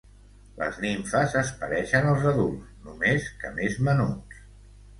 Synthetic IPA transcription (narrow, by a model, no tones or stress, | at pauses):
lə̰zniɱfəzəspəɾɛʃənəlˠzəðulˠsnumeskə̰mezmənus